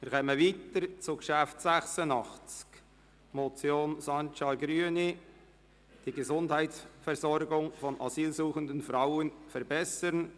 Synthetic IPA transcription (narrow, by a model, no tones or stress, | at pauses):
miːɾkʰɛməviːt̪əɾt͡suɡʃæftsæχsənɑχt͡sk | mot͡sjoːnsɑnt͡ʃɑɡɾyəni | d̥iɡəzʊndhæɪtsfɛɾzɔɾɡʊŋfɔnʔɑziːlsuːχəndənfɾaʊənfɛɾbɛsəɾn